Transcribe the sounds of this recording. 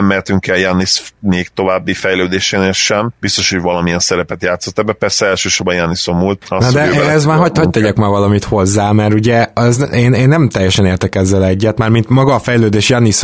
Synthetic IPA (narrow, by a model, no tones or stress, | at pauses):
mːɛrt̪yŋkɛljanismeːkt̪o̞vaːbːifɛjløːd̪eːʃeːneːlʃɛmbist̪o̞ʃho̞ɟvɒlɒmiɛnsɛɾɛpɛt̪jaːt̪sːot̪ːɛbːɛpɛrsɛɛlʃøːʃoɾbɒjanisomult̪ɒsnɒd̪ɛɛzmaːɦɒɟct̪ɛɟɛkmaːrvɒlɒmit̪ho̞zːaːmɛɾuɟɛɛzeːneːnːɛmt̪ɛjːɛʃɛneːrt̪ɛkɛzːɛlɛɟːɛt̪maːrmint̪mɒɡɒːfɛjløːd̪eːʃjanis